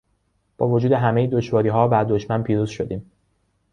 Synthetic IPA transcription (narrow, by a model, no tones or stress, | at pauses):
b̥ɒ̰ːvo̞d͡ʒuːd̪e̞ɦæmejed̪o̞ʃvɒːɾiːɦɒːbæɾd̪o̞ʃmænpʰiːɾuːz̥ʃo̞d̪iːm